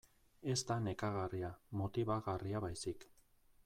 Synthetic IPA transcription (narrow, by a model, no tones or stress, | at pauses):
e̞st̪ane̞kaɣariamo̞t̪iβaɣariaβajsik